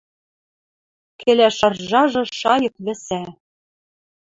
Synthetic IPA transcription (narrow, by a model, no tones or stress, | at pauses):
kʰelæʃɑrʒɑʒɤ̆ʃɑjɤ̆k̚βɘ̆sæ